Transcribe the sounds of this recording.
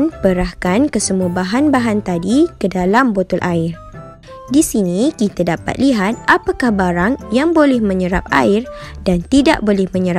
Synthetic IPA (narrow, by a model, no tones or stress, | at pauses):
npəɾahkankəsəmũabaɦanbaɦant̪adikədalambot̪ɔlʔaɪr | disinikit̪adapa̰t̪̚liɦat̪̚ʔapakahbaɾaŋjaŋbolɛhmə̃ɲəɾa̰p̚a̰ɪrd̥ant̪ida̰ʔbolɛhmə̃ɲəɾa